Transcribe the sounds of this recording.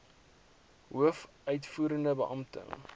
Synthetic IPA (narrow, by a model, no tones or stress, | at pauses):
ɦuəfʔœɥtfuːɾəndəbəʔɐmtə̰ŋ